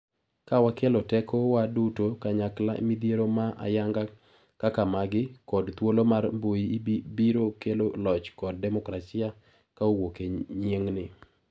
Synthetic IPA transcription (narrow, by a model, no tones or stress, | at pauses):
kawakelotɛkʰɔwadutokaɲakla̰mid̪jeɾomaʔa̰jaŋɡa | kakamaɡɪkɔdt̪wolomarmbojibiɾokelolɔt͡ʃkɔd̚ːɛmɔkɾasɪa | kaowokeɲeŋnɪ